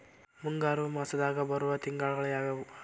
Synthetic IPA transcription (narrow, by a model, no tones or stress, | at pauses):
muŋɡaːɾumɐsɐd̪aːɡɐbɐɾuʋɐt̪iŋɡaːɭɐɡɐɭɐjaːɡɐu